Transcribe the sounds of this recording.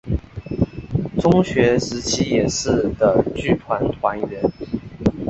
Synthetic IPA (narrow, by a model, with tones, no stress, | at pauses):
t͡sʊ˥ŋɕɥɛ˧˥ʂɻ̩˧˥t͡ɕʰi˥jɛ˨˩ʂɻ̩˥˩d̪ə˨˩t͡ɕy˥t̪ʰwa˧˥nt̪ʰwa˧˥nɥɛ˧˥˦n